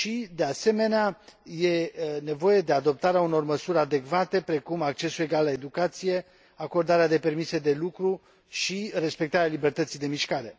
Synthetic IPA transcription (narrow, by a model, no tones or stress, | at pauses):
ʃid̪e̞ase̞me̞neaje̞ne̞vo̞je̞d̪e̞ad̪o̞p̚t̪aɾeauno̞rməsuɾʲad̪e̞kvat̪e̞pɾe̞kumakt͡ʃe̞sue̞ɡalːae̞d̪ukat̪sije̞ | ako̞rd̪aɾead̪e̞pe̞rmise̞d̪e̞lukɾu | ʃire̞spek̚t̪aɾealibe̞rt̪ət̪sijd̪e̞miʃkaɾe̞